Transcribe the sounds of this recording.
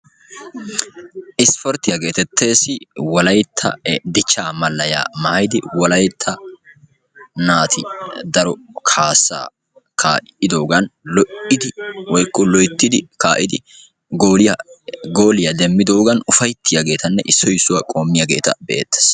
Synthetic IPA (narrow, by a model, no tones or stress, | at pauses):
ʔɪspɔɾt̪ɪjɐɡe̞ːt̪ɛt̪ʰːe̞ːsɪwɔlɐjt̪ʰːɐ̰d̪ɪt͡ʃːaːmɐlːɐja̰ːmɐhɐjd̪ɪwɔlɐjt̪ʰːɐ | naːt̪ʰɪd̪ɐɾɔkʰaːsːa̰ː | kʰaːʔɪd̪o̞ːɡɐnlɔʔɪd̪ɪwɔjkːɔlɔjt̪ːɪd̪ɪkaːʔɪd̪ɪ | ɡo | ɡo̞ːlɪjɐd̪ɛmːɪd̪o̞ːɡɐnʊfɐjt̪ʰːɪjɐɡe̞ːt̪ɐnːɛʔɪsːɔjɪsːʊwakʼo̞ːmːɪjɐɡe̞ːt̪ɐ̰bḛːt̪ːe̥ːs